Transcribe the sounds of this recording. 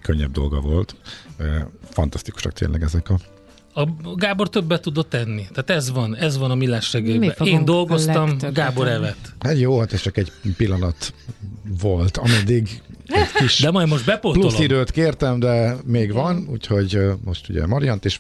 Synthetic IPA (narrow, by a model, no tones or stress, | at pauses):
kʰøɲːɛ̰b̚d̪o̞̰lɡɒ̰vo̞lt̪ː | fɒ̰nt̪ɒst̪i̥ku̥ʃɒ̰kt̪ḛːnlʔɛ̰ɡɛzɛkɒ | ɒɡaːbort̪øbːɛt̪ːud̪ot̪ːɛnːit̪aːt̪ɛzvɒnɛzvɒnɒmilːaːʃrɛɡeːɛeːnd̪o̞lɡo̞st̪ɒmɡaːbo̞ɾɛvɛt̪hat̪joːhɒt̪ɛst͡ʃɒkɛɟpilːɒnɒt̪ | volt̪ɒmɛd̪iɡɛckiʃd̪ɛmɒjd̪mo̞ʃbɛpopluosid̪øːt̪keːrt̪ɛmd̪ɛmeːɡʋɒnṵːcho̞ɟmo̞ʃt̪uɟɛ̰mɒɾijɒnt̪eːʃ